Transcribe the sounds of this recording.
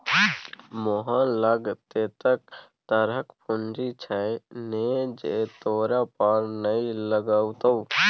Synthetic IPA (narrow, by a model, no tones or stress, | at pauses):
moɦãləɡt̪et̪ək̚ | t̪əɾəkpʊnd͡ʒit͡ʃʰaened͡ʒet̪oːɾapaːɾnəiləɡaːwt̪əu